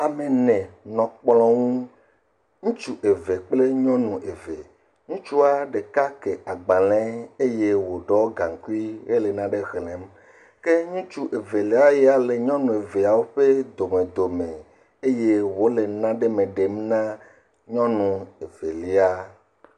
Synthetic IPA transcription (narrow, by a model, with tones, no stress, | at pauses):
a˨me˨nɛ̃˨nɔ̃˨k͡plɔ̃˦ŋũ˦ | ŋũ˦t͡ʃu˦ʔe˨ve˨k͡ple˦ɲɔ̃˦nũ˨ʔe˨ve˨ | ɲũ˦t͡ʃu˦a˦ɖe˨ka˦ke˨ʔa˨ɡ͡ba˨lɛ̃˦e˦je˦wo˨ɖɔ˦ɡa˨ŋ˨ku˦i˦ɣe˦le˨nã˦ɖe˦ɣlɛ̃˨˦m | ke˦ɲũ˦t͡ʃu˦ʔe˨ve˨li˨˦a˦jɛ˦a˨le˨ɲɔ̃˦nũ˨e˨ve˨a˨wo˦ɸe˦d̪o˨mẽ˨d̪o˨mẽ˨ | e˦je˦wo˦le˨nã˦ɖe˦mẽ˨ɖe˨mnã˦ | ɲɔ̃˦nũ˨e˨ve˨li˦a˦